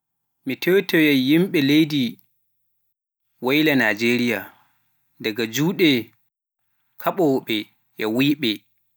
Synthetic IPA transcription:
mitʰewtɛjɛjimɓɛlejdi | wajlanad͡ʒeɾija | daɡad͡ʒuːɗɛ | kʰaɓɔwɓɛ | jʔɛwiːɓɛ

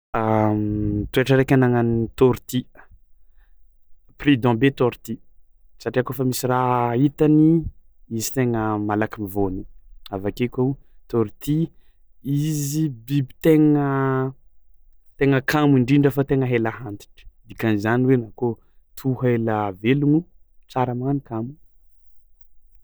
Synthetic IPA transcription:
a | t̪ueʈ͡ʂaɾekʲanaŋanit̪oɾt̪i | prid̪ɔ̃bet̪oɾit̪i | saʈ͡ʂiakofamisirait̪ani | izi̥t̪eŋəmalakimivoniavakekʲout̪oɾit̪i | izibibi̥t̪eŋə | t̪eŋəkʰamiɳɖ͡ʐiɳɖ͡ʐəfat̪eŋəɦelahant̪i̥ʈ͡ʂə̥d̪ikanizaniwenako | t̪ʰuɦelaveluŋut͡saɾəmanikamu

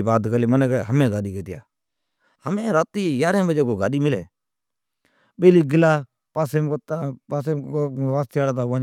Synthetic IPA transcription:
baːt̪kəliːmənekɛɦəmẽːɡaːɗiːkeːt̪ɪja̰ː | həmẽːɾaːt̪iːjaːɾẽːbəd͡ʒeːkoːɡaːɗiːmɪlḛː | ɓeːliːɡɪlaː | paːseːmkt̪apaːseʋaːst̪ijaːɽaːt̪aːãː

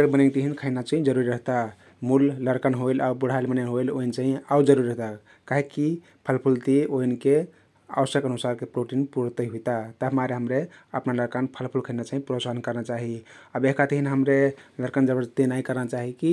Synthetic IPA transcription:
ɾbənent̪iɦinkʰəɪnat͡ʃaɦĩd͡ʒəɾuɾiɾəɦt̪a | mulləɾkənɦojlaubəɽ̤aelbənenɦoeloint͡ʃaɦiaud͡ʒəɾuɾiɾəɦt̪a | kaɦekːi | pʰəlpʰult̪ioinke | a̰ʋəsjəkənusaɾkepɾoʈinpuɾt̪əɦut̪at̪əmaɾeɦəmɾeəpnaləɾkanpʰəlpʰulkʰəɪnat͡ʃaɦĩpɾosankəɾnat͡ʃaɦiabekat̪iɦinɦəmɾeləɾkənd͡ʒəbəɾt̪enaikəɾnat͡ʃaɦiki

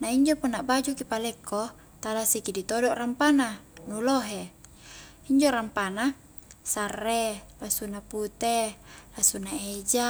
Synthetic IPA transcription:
naiɲd͡ʒopunːaʔbad͡ʒukipalɛkːo | t̪alasikidit̪odɔʔrampananuloɦe | iɲd͡ʒoɾampana | sarːelasunaput̪elasunaed͡ʒa

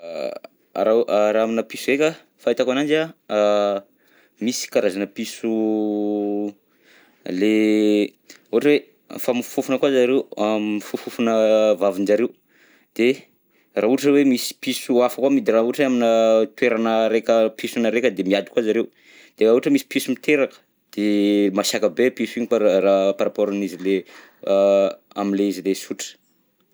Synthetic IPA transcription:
a̰ɾaʔaɾaaminəpisuɾekʲə | fait̪akanand͡ʒa | misi̥kaɾazanəpisu | le | uaʈ͡ʂəwe | fami̥fufunəkwazaɾewamifufufunəvavind͡ʒaɾeu | d̪̥e | rauʈ͡ʂəwemisi̥pisuafəkwamid̪irauʈ͡ʂeaminət̪weɾanəɾekʲəpisunəɾekʲəd̪emiad̪i̥kwazaɾew | d̪̥eauʈ͡ʂəmisi̥pisumit̪eɾakə̥ | d̪̥emaʃakəbepisuiɲikaɾapaɾapoɾanizile | a̰minleizilesuʈ͡ʂə̥

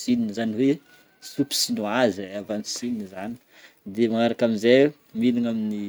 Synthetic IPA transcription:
sininizaniwe | supi̥sinoazavant͡su̥sininizani̥ | d̪emaŋaɾakaminzej | miliŋamini

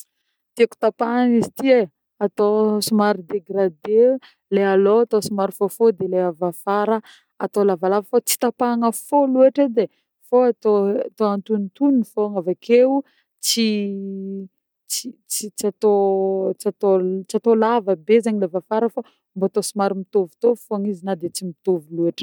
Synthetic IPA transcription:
t̪iaku̥t̪apaŋizit̪ie | at̪osimaɾid̪eɡrad̪e | lealoat̪osimaɾifofod̪eleavafaɾə | at̪olavalavəfot͡si̥t̪apaŋəfolueʈ͡ʂed̪e | foat̪oat̪oant̪unit̪uninfoŋavakʰeu | t͡si | t͡sit͡sit͡sat̪ot͡sat̪ot͡siat̪olavəbezaɲilevafaɾəfa | mboat̪osimaɾimit̪ovu̥t̪ofoaŋizinad̪et͡simit̪ovulueʈ͡ʂə̥

